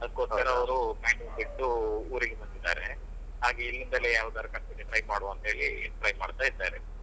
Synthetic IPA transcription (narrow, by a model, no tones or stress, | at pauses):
ɐd̪ukoʈːɐɾɐɐʋɐɾumaːɳɖumbiʈːuuːɾiɡemɐnd̪id̪a̰ːɾḛ | ɦaːɡeilːind̪ɐlejaːʋud̪ɐɾɐkɐɳʈ̪itːiʈɾɐjmaːɽuɐnt̪ɐɦeːɭḭʈɾɐjmaːɽt̪aːid̪aːiɾe